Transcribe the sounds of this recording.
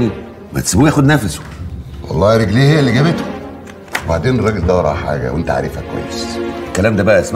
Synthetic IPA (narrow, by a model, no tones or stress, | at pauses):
ni | mæ̰t̪sbuːjæːxod̪næfæso̥ | wɑ̰lˤːɑːhiɾˤeɡliːhejːælːiɡæbet̪ho | webaʕd̪eːnrˤːɑːɡeld̪æwɑɾˤɑ̰ħa̰ːɡæ̰went̪æʕa̰ɾefhækːwæ̰jːeselkːælæːmd̪æbæʔæʔsm